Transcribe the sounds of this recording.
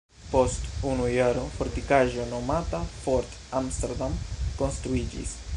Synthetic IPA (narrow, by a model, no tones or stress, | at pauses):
pɔst̪unujaɾofoɾt̪ikaʒonomat̪afɔɾt̪amst̪eɾd̪amkonst̪ɾuid͡ʒḭs